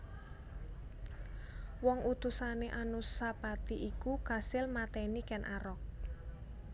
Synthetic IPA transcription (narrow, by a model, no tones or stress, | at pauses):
wɔŋʔut̪usaneʔanusapat̪iʔikukasɪlmat̪ɛnikɛnʔaɾɔk̚